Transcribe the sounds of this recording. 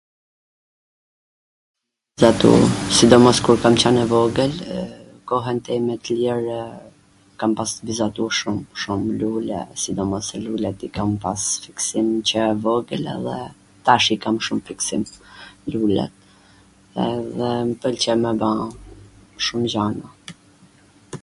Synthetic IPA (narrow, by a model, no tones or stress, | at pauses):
zat̪ṵsid̪ɔmɔskuɾkamt͡ɕanɛvɔɡəl | kɔɦɛnt̪ɛmɛt̪əlɛɾ | kampasbizat̪uʃumʃumlulɛ̰sid̪ɔmɔsɛlulɛt̪ikampasfiksimt͡ɕəvɔɡəlɛ̰ðɛ̰ | t̪aʃikamʃumfiksḭmlulɛ̰t̪̚ | ɛðɛmpəlt͡ɕɛmɛbã | ʃumd͡ʑana